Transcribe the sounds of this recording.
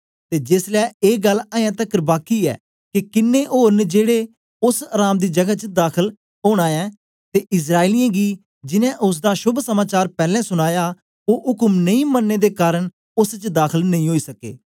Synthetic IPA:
t̪eːd͡ʒɪslɛːeːɡəlːãːãːt̪əkəɾbaːkiːɛ̰ː | kɪkɪnːeːʔoːɾnd͡ʒeːɽeː | ʊsəɾaːmd̪iːd͡ʒəɡat͡ʃəd̪aːkʰəl | ɦoːɽ̃aːɛ̃ː | t̪eːʔɪs̬ɾaːiliːãːɡiː | d͡ʒɪnɛ̃ːʔʊs̬d̪aːʃʊbʱsəmaːt͡ʃaːɾpɛːlɛ̃ːsʊɽ̃aːjaː | oːʊkəmnəĩːmənːeːd̪eːkaːɾəɳ | ʊst͡ʃd̪aːkʰəlnəĩːɦoːiːsəkḛː

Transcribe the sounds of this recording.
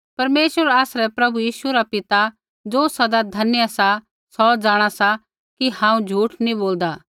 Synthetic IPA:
pɐɾmeːʃəɾaːsɾɛpɾɐbujiːʃuɾapɪt̪a | d͡zoːsɐd̪ad̪ʱɐnjəsa | sɔd͡zaːɽ̃asa | kihãːũd͡ʒʱuːʈʰnĩboːld̪a

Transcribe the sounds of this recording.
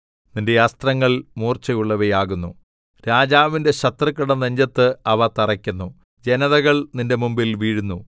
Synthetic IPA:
ninde̞ɐst̪rɐŋːɐɭmuːrt͡ɕɐjuɭːɐʋejaːɣunːu | ɾaːd͡ʑaːʋinde̞ɕɐt̪rɐkːɐɽɐnɐɲd͡ʑɐt̪ːɨɐʋɐt̪ɐrɐkʲːunːu | d͡ʑe̞nɐðɐɣɐɭninde̞mumbilʋiːɻunːu

